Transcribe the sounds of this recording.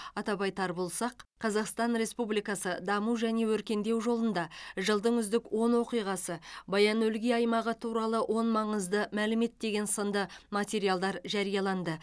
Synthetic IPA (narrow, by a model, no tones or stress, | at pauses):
ɑt̪ɑbɑjt̪ʰɑɾbolˠsɑqqʰːɑzɑqst̪ɑnɾe̞spublijkɑsəd̪ɑmuʒæne̞wɵɾkʲe̞nd̪e̞wʒo̞lˠənd̪ɑʒəlˠd̪əɴʏzd̪ɪkwo̞nwo̞qijʁɑsəbɑjɑnɵlɡʲiɑjmɑʁət̪ʰuɾɑlˠəwʔo̞nmɑɴəzd̪əmælɪme̞t̪̚d̪e̞ɡʲe̞nsənd̪əmɑt̪ʲe̞ɾijalˠd̪ɑɾʒɑɾijɑlˠɑnd̪ə